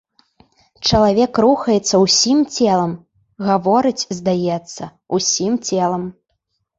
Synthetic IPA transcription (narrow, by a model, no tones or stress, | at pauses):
t͡ʂɐlˠavʲɛkɾuxɐjɛt̪sːɐwsʲimt͡sʲɛlˠɐm | ɣavɔɾɨt͡sʲzd̪ajɛt̪sːɐ | usʲimt͡sʲɛlˠɐm